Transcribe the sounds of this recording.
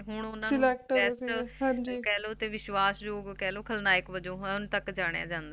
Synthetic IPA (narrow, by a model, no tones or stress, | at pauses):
ɦʊɳ̃ʊnãːlɛk̚ʈɛːsʈɦãd͡ʒikɛːloːt̪eːʋɪʃʋaːsd͡ʒoːɡkɛːloːkʰəlnaːɪkbəd͡ʒõːɦɛ̃ʊnt̪əkːd͡ʒaːɽ̃ejã̰ːd͡ʒãːnd̪aː